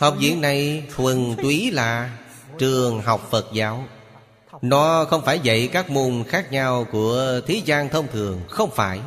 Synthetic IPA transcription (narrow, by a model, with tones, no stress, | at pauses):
ha˨˩wk͡p̚zḭ˧˨ənna˨˩jtwɨ˨˩nt̪wi˨˦laː˨˩ | t͡ɕɨ˨˩əŋɦa˨˩wk͡p̚fə˨˩t̚zaː˨˦w | nɔ˨˦xə˧wŋ͡mfaː˧˩jvə̰˧˨jkaː˦˥k̚mu˨˩nxaː˦˥k̚ɲa˧wku˧˩ət̪ʰi˨˦zaː˧ŋt̪ʰə˧wŋ͡mt̪ʰɨ˨˩əŋxə˧wŋ͡mfaː˧˩j